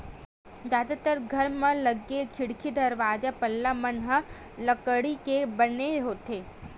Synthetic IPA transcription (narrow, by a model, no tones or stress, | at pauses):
d͡ʒjaːd̪at̪əɾɡʱɐɾmə̃lɐɡekʰɪɽkʰid̪ɐɾʋaːd͡ʒapɐlːamɐnɦə | ləkəɽikebəneɦoːt̪eː